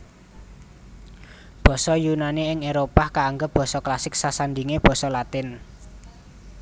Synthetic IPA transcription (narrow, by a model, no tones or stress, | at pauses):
b̥ɔ̤sɔjunaniɪŋeɾopakaːŋɡəb̥ɔ̤sɔklasɪk̚sasand̪iŋeb̥ɔ̤sɔlat̪ɪn